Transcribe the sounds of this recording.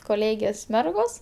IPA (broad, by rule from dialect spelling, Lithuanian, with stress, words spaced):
koːˈlʲeːɡʲeːs ˈmʲɛrɡoːs